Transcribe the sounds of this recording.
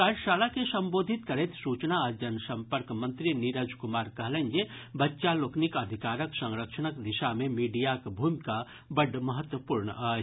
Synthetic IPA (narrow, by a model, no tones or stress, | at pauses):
kaːɾʃaːlakesɐ̃mboːd̪ʱit̪kɐɾet̪suːt͡ʃnaəd͡ʒɐnsɐmpəɾkmɐ̃nt̪ɾiniɾəd͡ʒkʊmaːɾkɐɦlə̃nd͡ʒebɐtːʃaloːknikɐd̪ʱikaːɾəksɐ̃ŋɾəkʃənəkd̪ɪʃamẽmiːɖijakbʱuːmika | bɐɖʱməɦət̪wəpuɾɳəaː